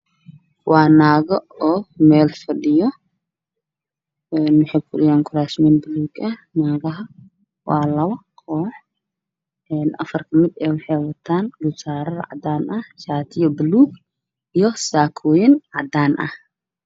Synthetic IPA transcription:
waːnaːɣɐɔːmɛːlfɐɗɪjɔ | ɛnːʊħɛjkʰʊɗɪjaːŋkʰʊɾaːsminbɪluːɡʔɐnaːɣɐɦɐ | waːlɐβɐqʰɔːħ | ʔɛːnʔɐ̰fɐrkʰɐmɪd̪ɛːwʊħɛjwɐt̪ʰːaːnɡʊsaːɾɐðɐ̰ʕa̰d̪aːnʔɐhsaːt̪ʰɪjɔbɪluːɡ | ʔɪjɔsaːkʰɔːjɪnʕɑd̪aːnʔɐ̰h

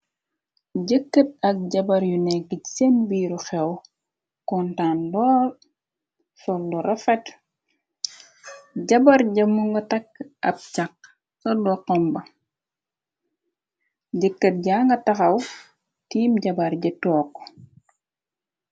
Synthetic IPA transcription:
ɟəkːət̚ɐk̚ɟɐbɐɾjunɛɡicsenbiːɾuxɛw | kɔntaːndɔːl | sɔlːɔɾʔɐfɛt | ɟɐbɐɾɟɐmuŋɡɐtɐkːɐp̚cak̚ | sɔdɔqːɔmbɐ | ɟəkːət̚ɟaːŋɡɐtɐxɐw | tiːmɟɐbɐɾɟɛtɔːkː

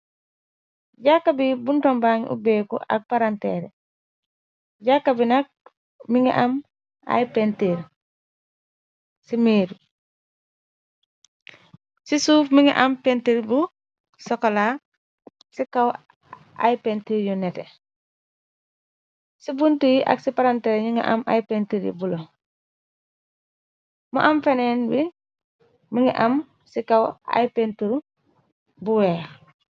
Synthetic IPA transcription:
ɟakːabibuntɔmbaɲʔṵbɛːkṵʔa̰k̚paɾantɛ̰ːɾɛ̰ | ɟakːabinak̚ | miŋɛ̰ʔam | a̰jpɛnteɾ | simeːdu | sisuːfmiŋḭʔampenteɾbu | sɔkɔla | sikaw | ʔa̰jpentiɾjunete | sibuntujiʔa̰ksipaɾanteɾɲiŋḭʔa̰mʔa̰jpentiɾḭbulo | mṵʔamfenenbi | miŋiʔam | sikawa̰jpentuɾu | buweː

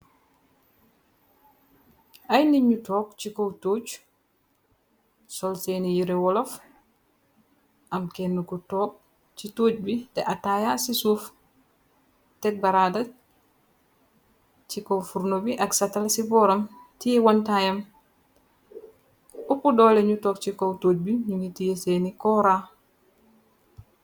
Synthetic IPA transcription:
ʔajniɲːutɔk̚t͡ʃikɔwtot͡ʃ | sɔlsenijiɾɛwɔlɔf | ʔamkɛnːukɔtɔk̚ | t͡ʃitoːd͡ʒbidɛʔatajasisuf | tɛk̚baɾada | t͡ʃikowfuɾnobiʔaksatalsibɔɾamtiwantajɐm | upudɔleɲutɔːk̚t͡ʃikowtoːc̚biɲuŋitijeseːnikɔɾa

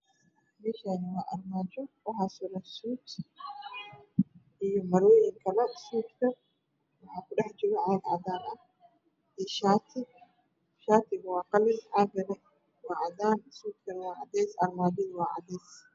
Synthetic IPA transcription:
mɛʃaːnwaːʔɐrmaːd͡ʒɔwɐħaːsʊɾɐsuːt̪ | ʔɪjɔmɐɾwɛjɪŋkʰɐlɐsuːt̪kɐ | wɐħaːkʊɗɐħd͡ʒɪɾɐʕaːɡʕad̪aːnɐ | ʔɛʃaːt̪ʰɪ | ʃaːt̪ɪɡwaːqɐlɪnʕaɡɐnɐ | waːʕad̪aːnsuːt̪̚kɐnwaːʕad̪ɛːsɐrmaːd͡ʒɪnwaːʕa̰d̪ɛːs

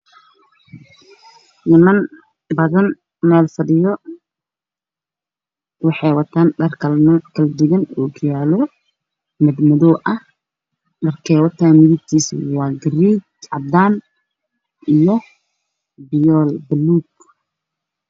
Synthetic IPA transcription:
nɪmɐn | bɐðɐn | mɛːlfɐdɪjɔ | wɑħɑjwɐt̪ʰaːnɖɐrkːkʰɐld̪ɪɣɐnoːɡɪjaːlɔ | mɐd̪mɐðɔʔɐh | ɖɐrkʰɛːwɐt̪ʰaːnʊðɪb̚t̪ʰiːswɑːɡɪriːɡɐd̪aːn | ʔijɔ | bɪjɔːlbɐluːk

